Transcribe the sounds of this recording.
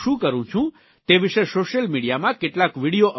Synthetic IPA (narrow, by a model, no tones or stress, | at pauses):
ũkəɾũt͡ʃʰũ | t̪eʋiʃesoʃəlmiɽijamãkeʈlakʋiɽijoʔə